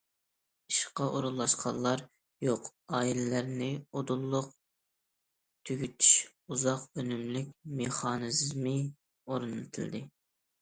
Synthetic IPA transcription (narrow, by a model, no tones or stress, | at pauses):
iʃqɑʔoɾulˠːɑʃqʰɑnlˠːɑɾ | joqɑːilɪlæɾnɪod̪ulˠːʊq̚ | t̪ʰyɡʲyt̪ʰy̥ʃ | uzɑqønymlykʲmeχɑːnɨzmɨ | oɾunɨt̪ʰɪld̪ɨ